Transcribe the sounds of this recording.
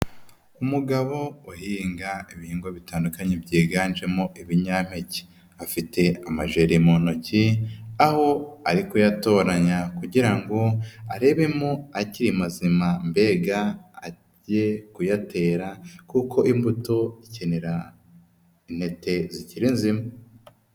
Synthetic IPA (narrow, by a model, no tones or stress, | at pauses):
umuɡaβo̞ohiːŋɡaiβihiːŋɡo̞βitaːndukaɲebɟeːɡaːnd͡ʒe̞moʔiβiɲaːm̥e̞ci̥ | afite̞amaʒe̞ɾimo̞nociaho̞aɾikujato̞ːɾaɲakuɟiɾaŋɡo̞aɾe̞ːβe̞moaciɾimazimambe̞ːɡaː | ɟe̞kujate̞ːɾakukʰo̞ʔimbuto̞ice̞neɾa | inhe̞te̞ziciɾinzima